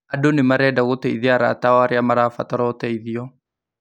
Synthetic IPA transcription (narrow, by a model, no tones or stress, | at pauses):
adonemaɾɛːdaɣotɛiðiaɾa̰taɔaɾeamaɾafataɾɔotɛiðiɔ